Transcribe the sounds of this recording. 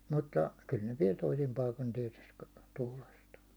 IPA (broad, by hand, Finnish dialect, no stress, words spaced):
mutːɑ kyl ne ʋiɛl toisim pɑikon tiɛtyst tuːlɑstɑː